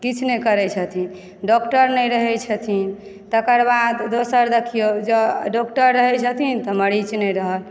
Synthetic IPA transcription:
kit͡ʃʰnekəɾɛt͡ʃʰət̪ʰin | ɖɔkʈəɾnɛjɾəɦɛt͡ʃʰət̪ʰin | t̪əkəɾbad̪d̪osəɾd̪ekʰijod͡ʒəɖɔkʈəɾːəɦɛt͡ʃʰət̪ʰint̪ɔməɽit͡ʃnɛjɾəɦəl

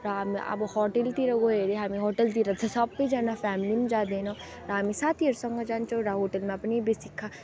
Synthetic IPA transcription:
ɾaːmiʔɐ̰bhɔːʈelt̪iɾɐɡoeːɾeɦaːmiɦɔːʈəlt̪iɾɐd̪ʰɐsaːpped͡ʒanafɛːmlimẽd͡ʒaːd̪eːna | ɾaːmisaːt̪ʰiɐɾsɔŋɡad͡ʒaːnt͡ʃoɾaɦoːʈəlmẽɐpnibisikʰːa

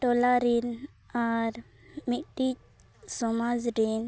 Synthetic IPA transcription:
ʈɔlaɾin | aɾ | miʈit͡ʃ | sɔmad͡ʒɾin

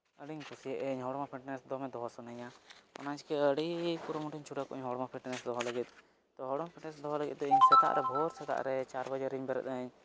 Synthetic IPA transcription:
əɽiɲkʰusiɛʔɛɲɦɔɽmapʰiʈnɛsd̪ɔmɛd̪ɔɦɔsɔnaɲaɔ̰nat͡ʃkɛəɽipuɾɔmuʈʰiɲt͡ʃʰuʈakɔʔɛɲɦɔɽmapʰiʈinɛsd̪ɔɦɔləɡit̪̚ | t̪ɔɦɔɽmapʰiʈnɛsd̪ɔɦɔləɡḭt̪̚d̪ɔiɲsɛt̪a̰ʔɾʔɛbʱɔɾsɛt̪a̰ʔɾɛt͡ʃaɾbad͡ʒaɾːiɲbɛɾɛ̰t̪aɲ

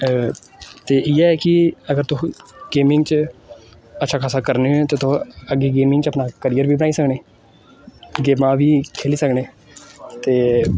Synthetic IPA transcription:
t̪eːʔɪɛkɪəɡəɾt̪ʊɡeːmɪ̃ŋɡt͡ʃ | ətːʃʰaːkʰaːsaːkəɾneːɦoẽt̪eːt̪oəɡeːɡeːmɪ̃ŋɡt͡ʃəpnaːkəɾijəɾʋiːbənaːiːsəkneː | ɡeːmãːʋiːkʰeːliːsəkneː | t̪eː

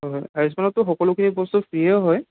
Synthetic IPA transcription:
ɦɔjɦɔjaɹis̬manɔtːʊxɔkɔlʊkʰinibɔstupʰɹijaɦɔj

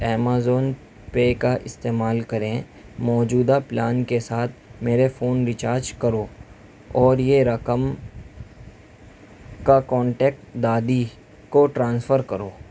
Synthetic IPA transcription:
ɛːmaːzoːn | pekaʔɪst̪eːmaːlkɐɾẽ | mɔːd͡ʒuːd̪aplaːnkesaːt̪̚ʰmeːɾefoːnɾɪt͡ʃaːɾd͡ʒkɐɾoː | ɔːɾjeɾɐkəm | kakɔ̃ːɳʈɛːk̚ʈd̪aːd̪i | koʈɾãːnsfəɾkɐɾoː

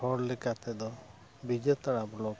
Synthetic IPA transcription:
ɔɽlɛkat̪ɛd̪ɔ | bid͡ʒet̪aɽablɔk

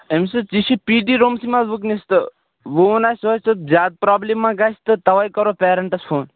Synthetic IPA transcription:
emsɨt͡sisipiɖiɾoːmsimabuknist̪ɨ | ʋuunaːsoɨzʲaːd̪̚pɾaːblemːãɡast̪ɨt̪ɐʋajkɔɾopeːɾɐɳʈɐsfʰoːn

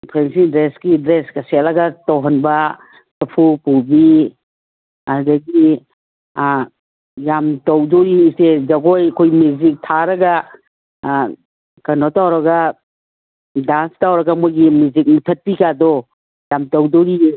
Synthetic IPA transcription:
pʰɾensidɾesɡidɾeskɐselɐɡɐtowɦɐnbɐ | sɐpʰupubi | adɐɡi | jamtɐwdɔɾised͡ʒɐɡojkʰojmjuzik̚tʰaɾɐɡɐ | kɐnɔtawɾɐɡɐ | danstawɾɐɡɐmojɡimuzik̚mitʰɐt̚pikadɔ | jamtɐwdɔɾi

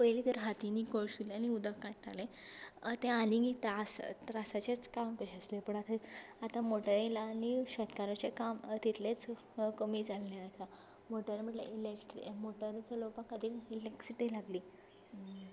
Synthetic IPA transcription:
pəjliːt̪əɾɦat̪iniːkoɭɕuleañiud̪ʱəkːaɽt̪ʰalẽ | t̪ẽaninit̪asɾasat͡ɕet͡skamkəɕəslepəɳat̪ʰaat̪amoʈəɾelaːniɕət̪kaɾat͡ɕekamt̪it̪let͡s | kəmiːd͡zalːeat̪a | moʈəɾm̤əʈlə̰ʔilekʈɾḭmoʈəɾet͡selopakːəd̪ʱiːkileksiʈilaɡliː

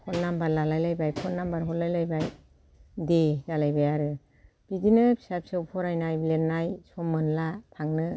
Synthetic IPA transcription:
kʰɔtnambaɾlalajlajbajpʰɔtnambaɾɦɔtlajlajbaj | dedalajbajaɾɯ | b̥idinɯpʰisap̚sɯwpʰɔɾajnajblenːajsɔmːɯnlapʰaŋnɯ

